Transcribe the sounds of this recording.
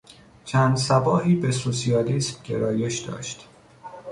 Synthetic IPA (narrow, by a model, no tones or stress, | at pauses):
t͡ʃʰæːnd̪sæbɒːhiːbesosiɒːliːsmɟe̞̰ɾɒːje̞ʃd̪ɒ̰ːʃt̪